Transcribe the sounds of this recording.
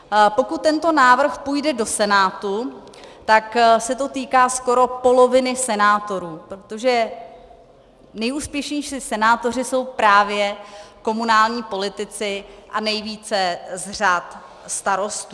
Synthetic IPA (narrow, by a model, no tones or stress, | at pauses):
po̞kut̪̚ːɛnt̪o̞naːvr̩xpuːjdɛdo̞sɛnaːt̪u | t̪aksɛt̪o̞t̪iːkaːsko̞ɾo̞po̞lo̞vɪnɪsɛnaːt̪o̞ɾuːpɾo̞t̪o̞ʒɛ | nɛjʔuːspjɛʃɲɛjʃisɛnaːt̪o̞r̝ɪso̞wpɾaːvjɛko̞munaːlɲiːpo̞lɪt̪ɪt͡sɪʔanɛjviːt͡sɛzr̝at̪ | st̪aɾo̞st̪u